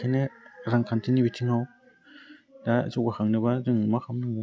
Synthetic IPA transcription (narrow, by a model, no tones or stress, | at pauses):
kʰaneɾaŋkʰantʰɯnibitʰiŋaw | dazubaxʰaŋnɯbazɯŋmaxʰamnɯŋ